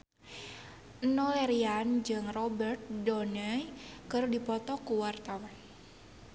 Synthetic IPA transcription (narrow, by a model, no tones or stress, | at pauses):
ʔnɔɛɾiand͡ʒɨŋrɔbərt̪̚dɔnəjkərdipɔt̪ɔkuwart̪awɔn